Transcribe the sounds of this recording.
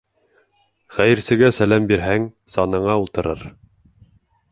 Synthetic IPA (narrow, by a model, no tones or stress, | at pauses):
χæjɘ̆ɾsɘ̆ɡæsælæmbiɾɦæŋ | sɑnɤ̆ɴɑulˠt̪ɤ̆ɾɤɾ